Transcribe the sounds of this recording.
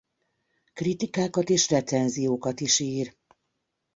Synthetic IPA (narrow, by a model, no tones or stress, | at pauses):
krit̪ikaːkɒt̪eːʃrɛt̪sɛnzijoːkɒt̪iʃiːr